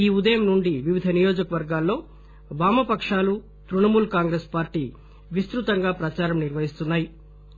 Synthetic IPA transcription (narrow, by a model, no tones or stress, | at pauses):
iːud̪ɐjɐmnuɳɖiʋiʋid̪ʱɐnijo̞ːd͡ʒɐkɐʋɐɾɡaːlːo̞ː | baːmɐpɐkʂaːlu | t̪ɾuɳɐmuːlkaːŋɡɾeːspaːɾʈiː | ʋist̪ɾut̪ɐŋɡaːpɾɐt͡ʃaːɾɐmniɾʋɐɦist̪unːaːji